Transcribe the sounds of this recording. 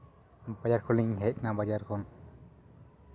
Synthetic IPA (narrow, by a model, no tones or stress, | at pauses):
bad͡ʒaɾkʰɔliɲɲɦɛc̚nabad͡ʒaɾkʰɔn